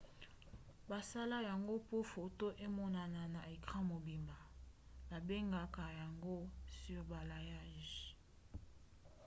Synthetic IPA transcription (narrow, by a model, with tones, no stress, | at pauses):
ba˨sa˦la˦ja˨ŋɡo˦po˦fo˨to˦ʔe˦mɔ˦na˨na˨na˨e˨kʁã˦mo˨bi˨mba˨ba˨be˦ŋɡa˨ka˨ja˨ŋɡo˦sy˦ʁba˨la˨ja˦ʒ